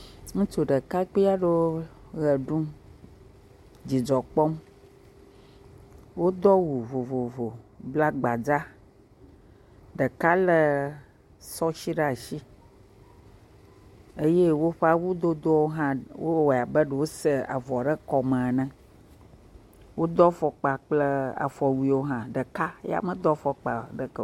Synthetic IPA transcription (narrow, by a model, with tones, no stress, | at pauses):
ŋũ˦t͡ʃo˨ɖə˨ka˦k͡pi˦a˦ɖe˦wo˦ɣə˨ɖũ˦m | d͡ʑi˨d͡ʒɔ˨k͡pɔ˦m | wo˦d̪ɔ˦wu˨vo˨vo˨vo˨bla˦ɡ͡ba˨d͡za˦ | ɖə˨ka˦lə˦ | sɔ˦ʃi˦ɖa˨ʃi˦ | e˦je˦wo˦ɸe˦a˦wu˦d̪o˦d̪o˦wo˦ɦã˦wo˦wa˨bə˦ɖə˨wo˦sə˦a̰˨vɔ˨ɖə˦kɔ˨mə̃˨nə̃˦ | wo˦d̪ɔ˦fɔ˨k͡pa˨k͡plə˦a̰˨fɔ˨wi˦wo˦ɦã˦ɖə˨ka˦ja̰˦˨mə̃˦d̪ɔ˦fɔ˨k͡pa̰˨ɖə˨kə˨